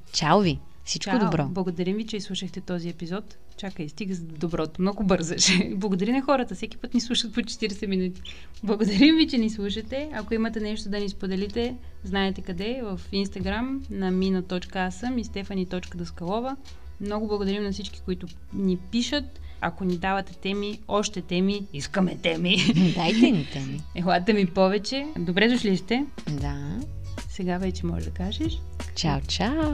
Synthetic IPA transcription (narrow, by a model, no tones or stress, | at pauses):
t͡ʃalˠvi | sit͡ʃkaod̪obɾɔblˠɐɡod̪ɐɾimvit͡ʃɛslˠuʃəxt̪ɛt̪ɔziɛpizɔt̪ | t͡ʃakəist̪iɡəzd̪obɾɔt̪omnɔɡʊbɤɾzəʃɛblˠɐɡod̪ɐɾinɐxɔɾət̪əsɛki̥pɤt̪nislˠuʃət̪̚pot͡ʃɛ̥t̪iɾɛsɛminut̪i̥ | blˠɐɡod̪ɐɾimvit͡ʃɛnislˠuʃɐt̪ɛɐkoimɐt̪ɛnɛʃt̪od̪ɐnispod̪ɛlit̪ɛ | znaɛt̪ɛkɐd̪ɛvəfinst̪ɐɡɾamnɐminɐt̪ɔt͡ʃkəasəmist̪ɛfɐnit̪ɔt͡ʃkəd̪ɐskɐlˠɔvə | mnɔɡʊblˠɐɡʊd̪ɐɾimnɐfsit͡ʃki̥koit̪ʊ | nipiʃət̪̚ | ɐ̰konid̪avɐt̪ɛt̪ɛmiɔʃt̪ɛt̪ɛmiiskəmɛt̪ɛmid̪ajt̪ɛnit̪ɛmiɛxlat̪əmipɔvɛt͡ʃɛd̪obɾɛd̪ʊʃliʃt̪ɛ | d̪a | sɛɡavɛt͡ʃɛmɔ̰ʒd̪ɐkaʒɛʃ | t͡ʃalt͡ʃa